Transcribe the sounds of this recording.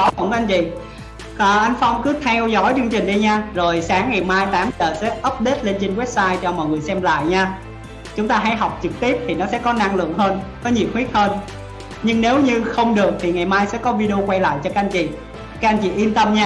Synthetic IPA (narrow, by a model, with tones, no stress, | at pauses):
a̰˨˦˧ŋ͡mkʔa˧jnt͡ɕḭ˧˨ | əː˨˩ʔa˧jŋ̟fa˧wŋ͡mkɨ˨˦t̪ʰɛ˧wzɔ˨˦˥jt͡ɕɨ˧əŋt͡ɕï˨˩ŋ̟ɗi˧ɲaː˧zo˨˩jsaː˨˦ŋːa˨˩jmaː˧jt̪aː˨˦mzəː˨˩sɛ̰˧˥ʔə˦˥p̚ɗe˦˥t̚le˧nt͡ɕe˧nwɛ˦˥p̚saː˧jt͡ɕɔ˧mɔ̰˧˨jŋɨ˨˩əjsɛ˧mla̰ː˧˨jɲaː˧ | t͡ɕʊ˨˦ŋ͡mt̪aː˧ɦa˨˦jɦɔ˨˩wk͡p̚t͡ɕɨ˨˩k̚t̪i˦˥əp̚t̪ʰi˨˩nɔ˨˦sɛ̰˧˥kɔ˨˦na˧ŋlɨ̰˧˨əŋɦəː˧nkɔ˨˦ɲḭ˨˩hwi˦˥t̚həː˧n | ɲɨ˧ŋne˨˦wɲɨ˧xə˧wŋ͡mɗɨ˨˩ək̚t̪ʰi˨˩ŋa˨˩jmaː˧jsɛ̰˧˥kɔ˨˦vi˧ɗe˧o˧kwa˧jla̰ː˧˨jt͡ɕɔ˧ka˦˥ʔnt͡ɕḭ˧˨ | ka˦˥k̚a˧jnt͡ɕḭ˧˨ʔi˧nt̪ə˧mɲaː˧